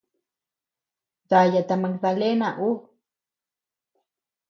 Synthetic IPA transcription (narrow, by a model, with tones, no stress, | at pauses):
ða˨ja˨t̪a˨ma˧kða˧le˦na˨ʔu˦